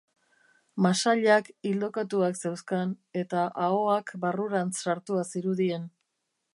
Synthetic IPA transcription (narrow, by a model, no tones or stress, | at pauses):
masaʎakild̪o̞kat̪uakse̞wskane̞t̪aʔaoakbaruɾansaɾt̪uasiɾuðie̞n